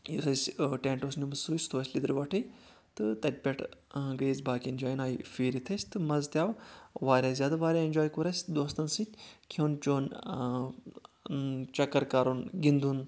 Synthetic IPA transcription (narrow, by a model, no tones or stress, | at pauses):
jisɐsʲʈẽːɳʈoːsnʲubɨsuːsʲt̪ʰoːsʲlʲid̪ɨɾʋɐʈʰɨj | t̪ɨt̪ɐt̪̚ʲpʲɐʈʰɡəjizʲbaːkʲienʲd͡ʒaːjnaːjifiːɾit̪ʰɐsʲt̪ɨmɐzt̪ʲjaːʋʋaːɾʲaːzʲjaːd̪aʋaːɾʲaenʲd͡ʒoːjkuɾɐsʲd̪oːst̪ɐnsit̪ʲkʰoːnt͡ʃoːn | t͡ʃɐkːɐɾkaːɾonɡind̪uːn